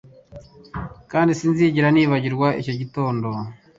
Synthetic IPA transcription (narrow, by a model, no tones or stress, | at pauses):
kaːndisinziːɟiɾaniːβaɟiɾɡwaʔḭco̞ɟito̞ːndo